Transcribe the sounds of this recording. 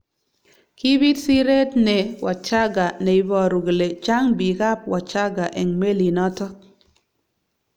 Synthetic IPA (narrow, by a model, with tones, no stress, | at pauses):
ki˦bi˦tsi˦ɾe˦tne˨wʔa˨t͡ʃa˦ɡa˨ne˨i˨˦bɔ˨ɾu˨ɡle˨t͡ʃa˦ŋbi˨ka˦p̚wa˨t͡ʃa˦ɡa˨ʔɛ˨ŋme˦li˨nɔ˦tɔ˦